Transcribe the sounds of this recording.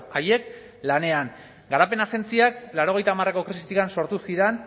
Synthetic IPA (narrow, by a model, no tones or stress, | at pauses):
aje̞k̚ | lane̞aŋ | ɡaɾape̞nase̞nt͡siaklaɾo̞ɣ̞e̞jt̪aːmare̞ko̞kɾisit̪ikanso̞ɾt̪usiɾen